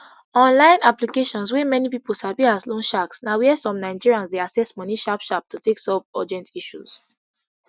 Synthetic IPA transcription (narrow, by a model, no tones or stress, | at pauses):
ɔ̃nlãɪ̃naplikeʃɔ̃nswɛmɛnipipolsapiaslõnʃaksnawɛsɔ̃mnaɪd͡ʒiɹiãnsdeasɛsmɔniʃapʃap̚tuteksɔp̚ɔd͡ʒɛ̃ntiʃṵz̥